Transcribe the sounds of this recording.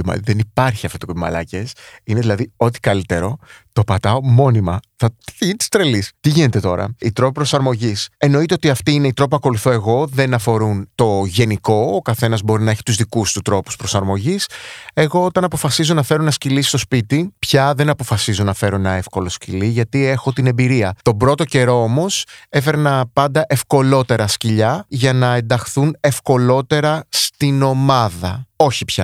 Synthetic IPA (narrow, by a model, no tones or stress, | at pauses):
imɐ̰liðenipɐɾçiɐft̪ot̪okopimɐ̰lɐ̰cesineðilɐðio̞t̪i̥kɐlit̪e̞ɾo̞t̪o̞pɐt̪ɐomo̞nimɐθɐt̪iint̪i̥st̪ɾe̞list̪iʝine̞t̪e̞t̪o̞ɾɐ̰it̪ɾo̞pipɾo̞sɐɾmo̞ʝise̞no̞it̪eo̞t̪iɐft̪iineit̪ɾo̞p̬ɐko̞luθo̞e̞ɣo̞ðe̞nɐfo̞ɾunt̪o̞ʝe̞niko̞ːkɐθe̞nɐzbo̞ɾinɐe̞çi̥t̪uzðikust̪ut̪ɾo̞pu̥spɾo̞sɐɾmo̞ʝise̞ɣo̞ot̪ɐnɐpo̞fɐsizo̞nɐfe̞ɾonɐscilist̪o̞spit̪ipçɐðe̞nɐpo̞fɐsizonɐfe̞ɾonɐe̞fko̞lo̞sciliʝɐt̪ie̞xot̪inembiɾiɐt̪o̞bɾo̞t̪o̞ce̞ɾo̞omo̞se̞fe̞ɾnɐpɐnd̪ɐʔe̞fko̞lo̞t̪e̞ɾɐsciʎɐʝɐnɐe̞nd̪ɐxθune̞fko̞lo̞t̪e̞ɾɐst̪ino̞mɐðɐo̞çipçɐ̰